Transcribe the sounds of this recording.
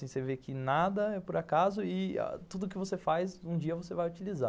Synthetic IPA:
sĩsevekɪnad̪ɐɛpʊɾakazʊɪa̰t̪ud̪ʊkɪvosefajzũd͡ʒiɐvosevajʊt͡ʃiliza̰

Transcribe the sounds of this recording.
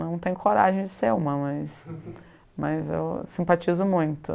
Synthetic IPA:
nɐ̃w̃t̪ẽjʊkʰoɾaʒẽj̃d͡ʒɪseɾũmɐmɐs | mɐzḛwsĩmpat͡ʃizʊmũj̃t̪ʊ̰

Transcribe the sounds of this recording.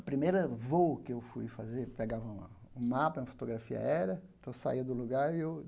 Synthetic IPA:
ɐpɾimejɾɐvowkɪewfṵjfazeɾpeɡavɐũ | ũmapɐũɐfo̥t̪oɡɾafiɐ̰ɛɾɐẽt̪ɐ̃w̃sa̰iɐd̪ʊluɡaɾie

